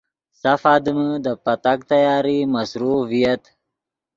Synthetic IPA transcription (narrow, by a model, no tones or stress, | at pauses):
safaːd̪əməd̪əpat̪ak̚t̪ajɑːɾimasɾuvijat̪